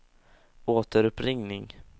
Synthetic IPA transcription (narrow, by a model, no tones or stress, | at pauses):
ʔoːt̪əɾɵpɾɪŋnɪŋ